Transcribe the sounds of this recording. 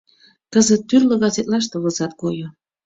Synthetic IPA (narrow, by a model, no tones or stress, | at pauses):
kəzət̪ːyrlə̆ɣɑzet̪lɑʃ̬t̪əβəzɑt̪kojo